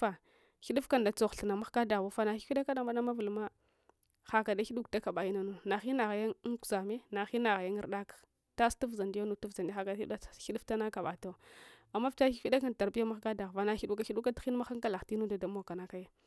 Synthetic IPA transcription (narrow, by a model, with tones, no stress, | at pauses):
fa˨ | xi˦ɗu˦fka˦nda˨t͡so˦˨xɬa˨na˨ma˦xka˦da˨a˦fa˨na˨xi˦fi˦ɗa˦ka˦na˨ma˦na˦ma˦vu˨lma˦ | xa˨ka˨da˦xi˦ɗu˦kda˦ka˨ɓa˨i˦na˨˦nu˨na˨xi˦na˨ɣa˨ja˦ŋku̥˨za˨me˦na˨xi˦na˨ɣa˨ja˦ŋ˦ɾɗa˦kḁ˨ | ta˦stu˦fza˨nda˦nu˨tu˦vza˨ndi˦xa˨ka˨da˦i˦˨˦xi˦ɗu˦fta˦na˦ka˨ɓa˨to˦˨a˨mːa˦fta˦i˦fi˦ɗa˦ka˦nta˨ɾbi˦ja˦ma˦xɡa˦da˨ɣva˨na˨xi˦du˦ka˦i˦ɗu˦ka˦ti˦n˦ma˦xa˦ŋka˦la˨ti˦nu˦da˨da˨˦mo˦˨ka˨na˦ka˦ja˦